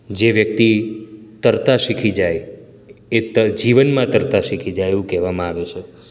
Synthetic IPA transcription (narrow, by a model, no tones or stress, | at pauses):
d͡ʒeʋjək̚t̪it̪əɾt̪aʃikʰid͡ʒaj | et̪əd͡ʒiʋənmãt̪əɾt̪aʃikʰid͡ʒajeʋũkɛʋamãaʋet͡ʃʰe